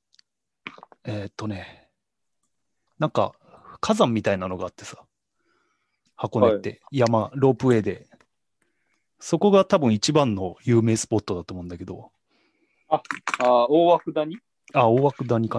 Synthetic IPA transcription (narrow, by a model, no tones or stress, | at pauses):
eːt̪ːo̞ne̞ | nãŋka̰ | kʰazãmːʲit̪ainano̞ɡaːt̪ːe̞sḁ | hako̞net̪ːe̞jamaɾo̞ːpɯ̟e̞ːd̪e̞ | so̞ko̞ɡat̪abɯ̟̃ɰ̃it͡ɕibãnːo̞jɯ̟ːme̞ːsɨ̥po̞t̪ːo̞d̪at̪omo̞ɯ̃nd̪ake̞d̪o̞̰ | aaoːwakɯ̟d̪aɲ̟i | aoːβakɯ̟d̪aɲ̟ika